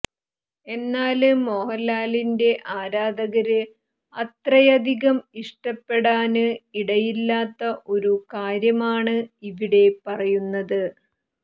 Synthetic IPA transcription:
e̞nːaːlmo̞ːhɐlːaːlinde̞ʔaːɾaːd̪ɐɣɐɾɨ | ɐt̪rɐjɐd̪ʱiɣɐmiʂʈɐpːe̞ɽaːnɨiɽɐjilːaːt̪ːɐʔo̞ɾukaːɾjɐmaːɳɨiʋiɽe̞pɐrɐjunːɐðɨ

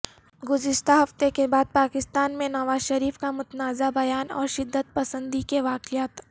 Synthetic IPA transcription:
ɡʊzɪʃt̪aɦɐft̪ekebaːd̪̚paːkɪst̪aːnmẽnɐʋaːzʃɐɾiːfkamʊt̪naːzabɐjaːnɔ̰ːɾʃɪd̪ːət̪̚pɐsə̃nd̪ikeʋaːqɪjaːt̪

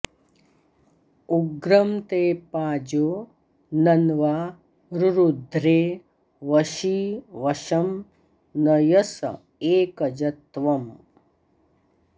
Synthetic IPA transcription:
uɡɾɐmt̪eːpaːd͡ʒoː | nɐnʋaː | ɾuɾud̪ʱɾeː | ʋɐʃiːʋɐʃɐm | nɐjɐsɐ̰ | eːkɐd͡ʒɐt̪ʋɐm

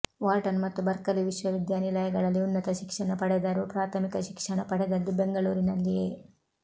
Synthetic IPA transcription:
ʋaːʈɐnmɐt̪ːubɐɾkɐɾiʋiʃʋɐʋid̪jaːnilɐjɐɡɐɭɐlːiunːɐt̪ɐʃikʂɐɳɐpɐɽɛd̪ɐɾupɾaːt̪ʰɐmikɐʃikʂɐɳɐpɐɽɛd̪ɐlːibeŋɡɐɭuːɾinɐlːijeː

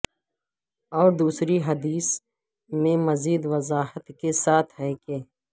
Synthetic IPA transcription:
ɔːɾd̪uːsɾiɦɐd̪iːs | mẽmɐziːd̪ʋɐzaːɦət̪kesaːt̪ʰɦɛːkeː

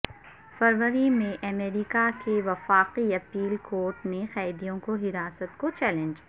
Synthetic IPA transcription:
fɐɾʋəɾimẽʔɐmeːɾikakeʋɐfaːqiɐpiːlkoːɾʈnexɛːd̪ijõkoɦɪɾaːsət̪kot͡ʃɛːlɛ̃ɲd͡ʒ

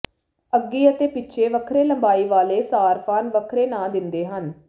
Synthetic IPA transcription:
əɡːiːət̪eːpɪtːt͡ʃʰeːʋəkʰɾeːləmbaːiːʋaːleːsaːɾpʰaːnʋəkʰɾeːnãːd̪ɪnd̪eːɦən

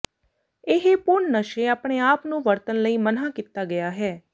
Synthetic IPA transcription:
ɪɦepʊɳnəʃeːaːpɽ̃eːaːpnũːʋəɾt̪ənləiːmənaːkit̪aːɡɪjaːɦɛː

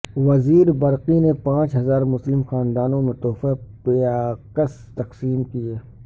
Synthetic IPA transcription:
ʋɐziːɾbɐɾqinepãːt͡ʃɦɐzaːɾmʊslɪmxaːnd̪aːnõmẽt̪ɔːfapeaːqəs | t̪ɐqsiːmkieː

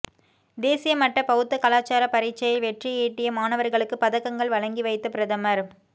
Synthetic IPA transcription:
d̪eːsɪjɐmɐʈrɐpɐɣɯt̪ːɐkɐlaːt͡ʃːaːɾɐpɐɾiːt͡ʃːɐjɪlʋɛʈrijeːʈːɪjɐmaːnɐʋɐɾɣɐɭɯkːɯpɐðɐkːɐŋɡɐɭʋɐɻɐŋɡiʋɐɪt̪ːɐpɪɾɐðɐmɐɾ

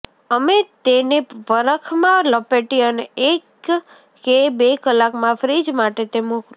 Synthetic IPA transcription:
əmet̪eneʋəɾəkʰmãlopeʈiəneekː | ebekəlakmãfɾid͡ʒmaʈet̪emũk

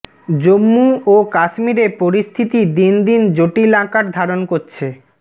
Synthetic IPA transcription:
d͡ʑomːuokaʃmiɾepoɾist̪ʰit̪id̪ind̪ind͡ʑoʈilãkaɾd̪ʱaɾonkoɾt͡ɕʰe

